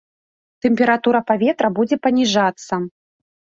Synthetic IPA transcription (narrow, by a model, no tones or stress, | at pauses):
t̪ɛmʲpʲɛɾat̪uɾɐpavʲɛt̪ɾɐbud͡zʲɛpɐnʲiʐat̪sːɐ